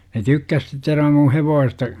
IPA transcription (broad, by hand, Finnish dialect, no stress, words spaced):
ne tykːæs sit seʋ ʋerːɑm mu heʋoːsestɑ